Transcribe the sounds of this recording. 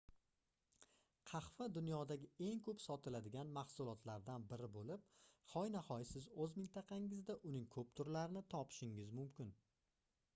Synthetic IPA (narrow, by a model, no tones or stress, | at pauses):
qʰɑχfad̪ʊnjɒd̪aɡʲɪe̞ŋkʰɵpsɒt̪ʰɪlad̪ɪɡʲanmɑχsʊlˠɒt̪ʰlaɾd̪anbɪɾɪbolɪp̚χɒjnahɒjɪsɪzɵzmɪnt̪ʰɑqʰɑŋɪzd̪aʔʊnɪŋkʰɵp̚t̪ʰʊɾlaɾɪnɪt̪ʰɒpʰɪ̥ʃɪŋɪzmʊmkʲɪn